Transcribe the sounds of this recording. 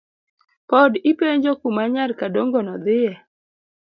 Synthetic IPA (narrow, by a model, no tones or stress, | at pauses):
pɔdipeɲd͡ʒokumaɲarkadoŋɡɔnɔd̪ɪjɛ